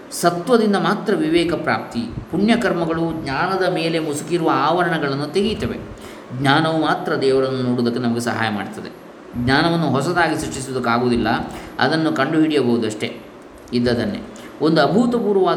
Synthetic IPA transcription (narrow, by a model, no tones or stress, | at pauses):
sɐt̪ʋɐd̪ind̪ɐmaːt̪ɾɐʋiʋɛːkɐpɾa̰ːp̚t̪ipuɳjɐkɐɾmɐɡɐɭuɡɲaːnɐd̪ɐmeːle̞musukiɾuʋɐaːʋɐɾɐɳɐɡɐɭɐnːut̪eɡit̪ɐʋḛ | ɡɲaːnɐʋumaːt̪ɾɐd̪ɛːʋɐɭɐnːunoːɽud̪ɐkːenɐmɐɡe̞sɐɦa̰ːjɐma̰ːɽt̪ɐd̪e | ɡɲaːnɐʋɐnːuɦɔs̬ɐd̪aːɡisɾɐʂʈːis̬ud̪ɐkːaːɡoːd̪ilːɐɐ̰d̪ɐnːukɐɳɖuɦiɽijɐbɐɦud̪ɐʂʈe̞̰ | id̪ːɐd̪ɐnːḛ | o̞nd̪uɐbʱut̪ɐpuːɾʋɐʋaː